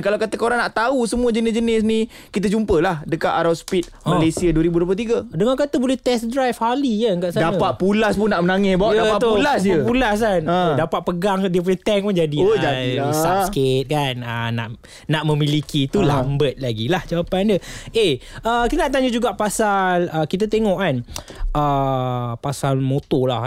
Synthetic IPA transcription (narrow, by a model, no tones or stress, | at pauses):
kalawkat̪əkəoɾaŋnaʔt̪ausəmuəd͡ʒənɪsd͡ʒənɪs̬nĩ | kit̪ad͡ʒumpəlahdəkaʔ̪aɾawspit̪̚məlesiaduəɾibudop̬at̪iɡadəŋakat̪əbolɛht̪ɛsdɾajfhalikaŋkaʔsadapat̪̚pulaspunaʔmənaŋɛsbaʔdaat̪ulasəpulas̬kandapat̪̚pəɡaŋdiəp̬olɛht̪ɛŋpund͡ʒadid͡ʒasasket̪̚kanəna̰ʔ | naʔmə̃mĩlikit̪ulambət̪̚laɡilahd͡ʒawapandəeəkit̪naʔt̪aɲəd͡ʒuɡaʔpasaləkit̪̬at̪eŋɔʔkanʔə | pasalmot̪ola